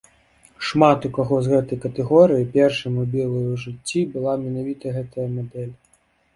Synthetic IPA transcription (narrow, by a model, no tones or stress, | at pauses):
ʂmat̪ukaɣɔzɣɛt̪ɐjkɐt̪ɛɣɔɾɨjipʲɛrʂɐjmubʲɛlˠɐjuʐɨt͡sʲːibɨlˠamʲɛnavʲit̪ɐɣɛt̪ɐjɐmad̪ɛlʲ